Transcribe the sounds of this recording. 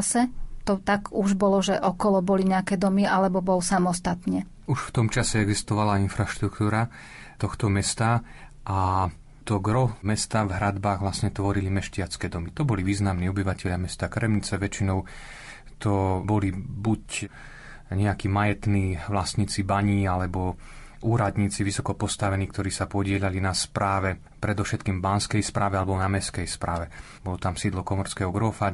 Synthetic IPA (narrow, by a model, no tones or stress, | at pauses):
sɛt̪ɔt̪aɡuʒbɔlɔʒɛʔɔkɔlɔbɔliɲɛakɛːd̪ɔmialɛbɔbɔlsamɔst̪at̪ɲɛ | uʃft̪ɔmt͡ʃasɛɛɡzist̪ɔʋalainfɾaʃt̪ɾukt̪uːɾa | t̪ɔxt̪ɔmɛst̪a | ʔa | t̪ɔɡɾɔmɛst̪avɦɾad̪baːɣʋlasɲɛt̪ʋɔɾilimɛʃcɪat͡skɛːd̪ɔmit̪ɔbɔliʋiːznamniːɔbiʋacɛʎamɛst̪akɾɛmɲit͡sɛʋɛt͡ʃinɔʊ | t̪ɔbɔlibuc | ɲɛakiːmajɛt̪niːʋlasɲiːt͡sibaɲiːalɛbɔ | ʔuːɾad̪ɲiːt͡siʋisɔkɔpɔst̪aʋɛniːkt̪ɔɾiːsapɔɟɪɛʎalinaspɾaːʋɛ | pɾɛd̪ɔfʃɛt̪kiːmbanskɛjspɾʔaːʋɛalɛbɔnamɛskɛjspɾaːʋɛ | bɔlɔt̪amsiːd̪lɔkɔmɔɾskɛːɦɔɡɾɔfa